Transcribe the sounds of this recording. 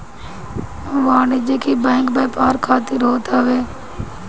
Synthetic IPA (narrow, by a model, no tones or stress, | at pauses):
ʋaːniːd͡ʒeːkiːbɛ̃ːŋkbeːpaːɾkʰaːt̪ɪɾɦoːt̪aʋeː